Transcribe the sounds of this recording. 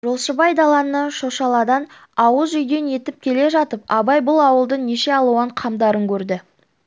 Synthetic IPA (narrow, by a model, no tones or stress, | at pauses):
ʒo̞lˠʃəbɑjd̪ɑlˠɑnːəʃo̞ʃɑlˠɑd̪ɑn | ɑwəzʒʏjd̪e̞nje̞t̪ɪp̚kʲʰe̞le̞ʒɑt̪əp̚ɑbɑjbʊlˠɑwəlˠd̪əɴne̞ʃe̞ɑlˠuəɴqʰɑmd̪ɑɾəŋkʲʰɵɾd̪ɪ